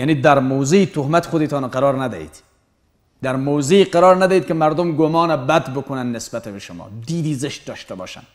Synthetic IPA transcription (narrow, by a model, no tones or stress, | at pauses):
janiːd̪æɾmowzeit̪ʰohmæt̪xod̪it̪ʰɑːnqæɾɒːɾnæd̪æ̰hḭːd̪̥ | d̪æɾmowzeiːqæɾɑːɾnæd̪æiːd̪̚kemæɾd̪omɡomɒːnæbæd̪bokʰonænːesbæt̪ebeʃomɒ̰ːd̪iːd̪iːzeʃt̪̚d̪ɒːʃt̪ebɒ̰ːʃæ̰n